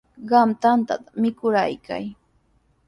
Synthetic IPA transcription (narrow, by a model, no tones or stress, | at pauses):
ɢɑmt̪ant̪a̰t̪ḁmɪkʊɾajkʰa̰j